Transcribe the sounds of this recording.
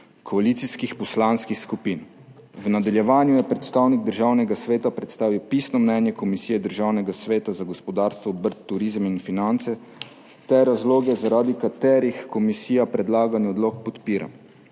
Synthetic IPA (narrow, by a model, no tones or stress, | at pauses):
kʰɔaliːt̪siskixpɔslanskixskupin | wnad̪aljɛʋaːnjujɛpɾɛt̪st̪aːwniɡd̪əɾʒaːwnɛɡasʋeːt̪apɾɛt̪st̪aːʋiwpisnɔmnɛnjɛkɔmisiːjɛd̪əɾʒaːwnɛɡasʋeːt̪azaɡɔspɔd̪aːɾst̪ʋɔːbəɾt̪ːuɾiːzminfinant̪sɛ | t̪ɛɾazloːɡɛzaɾaːd̪ikat̪ɛːɾixkɔmisiːjapɾɛd̪laːɡanjɛɔd̪lokpɔt̪piːɾa̰m